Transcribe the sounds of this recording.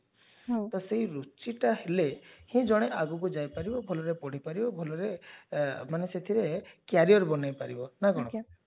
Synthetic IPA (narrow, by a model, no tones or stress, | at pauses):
t̪ɔseiɾut͡ʃiʈahelehĩd͡ʒɔɽ̃eʔaɡukud͡ʒajpaɾibɔbʱɔlɔɾepɔɽ̤ipaɾibɔbʱɔlɔɾe | maneset̪ʰiɾekjaɾiɔɾbɔnajpaɾibɔnaɡɔɽ̃ɔ